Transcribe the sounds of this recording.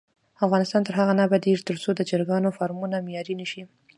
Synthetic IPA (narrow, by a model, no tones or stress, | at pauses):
afɣɑnɪst̪ɑnt̪əɾɦaɣanabad̪iɾt̪əɾt͡sod̪əd͡ʒəɾɡɑnofɑɾmunamejɑɾinəʃi